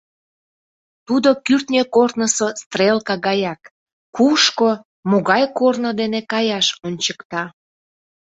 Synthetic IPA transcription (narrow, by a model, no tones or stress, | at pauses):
t̪ud̪okyrt̪nʲekort̪nəsost̪relkɑɣɑjɑk | kuʃko | moɣɑjkornod̪enekɑjɑʃonʲt͡ɕəkt̪ɑ